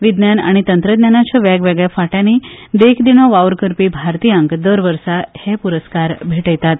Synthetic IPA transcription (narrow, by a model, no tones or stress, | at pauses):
ʋid̪njana̰ɽ̃it̪ənt̪ɾəd̪njanat͡ɕʰaʋjaɡʋɛɡɭjafaʈjanid̪ekʰd̪inoʋaʋɾkəɾpibʱaɾt̪iːjəŋkd̪əɾʋəɾsahepuɾəskaɾbʱeʈəjt̪at̪